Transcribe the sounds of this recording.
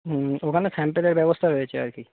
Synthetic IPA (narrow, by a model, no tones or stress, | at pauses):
okʰanesɛmpeleɾbɛbost̪ʰaɾoet͡ɕʰea̰ɾki